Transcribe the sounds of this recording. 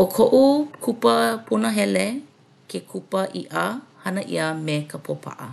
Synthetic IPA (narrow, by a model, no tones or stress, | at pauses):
ʔokʰoʔukʰupəpʰunəɦɛle | kʰekʰupəʔiʔə | hɐnəʔḭəmekʰəpʰopʰa̰ʔə